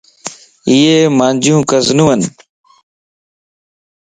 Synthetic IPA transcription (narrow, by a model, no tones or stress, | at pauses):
iːeːmãːnd͡ʒjũːkəznũːən